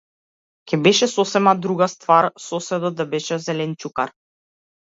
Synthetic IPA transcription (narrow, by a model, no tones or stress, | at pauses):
kʲɛbɛʃɛsɔsɛmad̪ɾuɡast̪vaɾsɔsɛd̪ɔd̪abɛʃɛzɛlɛnt͡ʃukaɾ